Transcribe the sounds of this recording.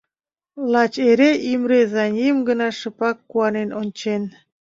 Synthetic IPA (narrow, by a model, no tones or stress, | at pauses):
lˠɑt͡ɕeɾeʔimɾezɑnʲimɡənɑʃɤpɑkːuɑnenʔonʲt͡ɕen